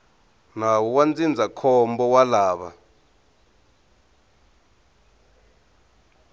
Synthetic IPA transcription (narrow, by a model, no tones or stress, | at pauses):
nawɔwand͡zind͡zʱakʰɔmbɔwalaːɓa̰